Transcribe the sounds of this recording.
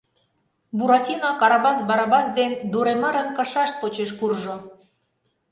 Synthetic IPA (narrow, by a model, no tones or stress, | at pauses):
buɾɑtʲinɑkɑɾɑbɑsbɑɾɑbɑsd̪end̪uɾemɑɾənkɑʃɑʃt̪̚pot͡ɕeʃ̬kurʒo